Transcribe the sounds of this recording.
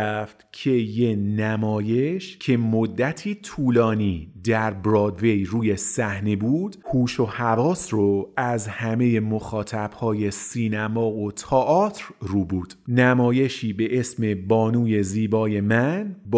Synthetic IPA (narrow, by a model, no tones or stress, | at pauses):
ft̪cʰe̞je̞næmɒːje̞ʃcʰe̞mod̪ːæt̪ʰiːt̪ʰuːlɒːniːd̪æɾbɾɒːd̪ve̞jɾuːje̞sæhnebuːd̪̥huːʃo̞hævɒːsroæzhæme̞je̞moxɒːt̪ʰæb̥hɒːje̞siːnæmɒːot̪ʰɒːʔɒːt̪ʰɾruːbuːd̪̥næmɒːje̞ʃiːbe̞ʔe̞sme̞bɒːnuːje̞ziːbɒːje̞mænb